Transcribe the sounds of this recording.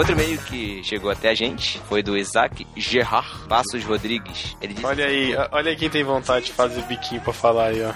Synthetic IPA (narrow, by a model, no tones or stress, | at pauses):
ot̪ɾʊmejʊkʰɪʃeɡowat̪ɛaʒẽnt͡ʃɪ̥fojd̪ʊizakɪʒeɦaχpasʊʃhod̪ɾiɡɪʃelɪd͡ʒiɔʎɐiɔʔɔʎɐikẽj̃t̪ẽj̃võnt̪ad͡ʒɪd͡ʒɪfazebikʰĩɲʊpɾɐfalaiɔ